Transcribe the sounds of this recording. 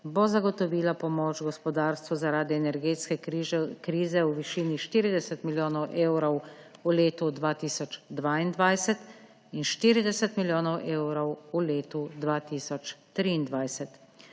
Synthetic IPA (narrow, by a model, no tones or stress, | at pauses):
bozaɡɔt̪ɔʋiːlapɔmoːt͡ʃɡɔspɔd̪aːɾst̪ʋuzaɾaːd̪iɛnɛɾɡeːt̪skɛkɾiːzɛuʋiʃiːniʃt̪iːɾid̪ɛsɛt̪miljoːnɔwʔeːwɾɔwuleːt̪ud̪ʋaːt̪iːsɔt͡ʃd̪ʋaːind̪ʋajsɛt̪ | inʃt̪iːɾid̪ɛsɛt̪miljoːnɔwʔeːwɾɔwuleːt̪ud̪ʋaːt̪iːsɔt͡ʃt̪ɾiːnd̪ʋajsɛt̪